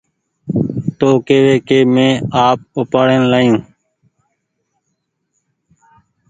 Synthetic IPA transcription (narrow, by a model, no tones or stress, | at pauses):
t̪oːkeːʋeːkeːmẽːaːp̚ʊpaːɽeːnlaːjũː